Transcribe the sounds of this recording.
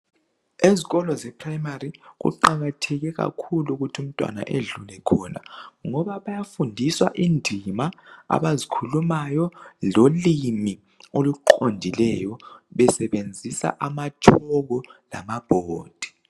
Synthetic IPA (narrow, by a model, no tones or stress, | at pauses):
eziɣɔlɔzɛpʰrajmariɣṵǃaɣatʰɛɣɛɣa̰kʰuluɣutʰium̩tʼwa̰na̰ʔeɮulɛkʰɔna̰ŋɔβaβajafundʱiswa̰ʔindʱimaa̰βazikʰulumajɔlolimi | oluǃondʱilɛjɔβɛsɛβend͡zʱisa̰ʔamatʰɔɣɔla̰mab̥ʱoːd̥ʱi̥